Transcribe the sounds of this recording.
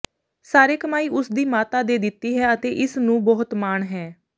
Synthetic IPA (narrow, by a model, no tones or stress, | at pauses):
saːɾeːkəmaːiːʔʊsd̪iːmaːt̪aːd̪eːd̪ɪt̪ːiːɦɛːət̪eːʔɪsnũːbɔːʊt̪maːɳɦɛː